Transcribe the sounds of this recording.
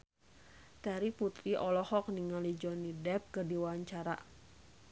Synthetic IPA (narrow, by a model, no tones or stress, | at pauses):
t̪aɾiput̪ɾiʔɔlɔhɔk̚niŋalid͡ʒɔnidɛp̚kɨrdiwaɲt͡ʃaɾa̰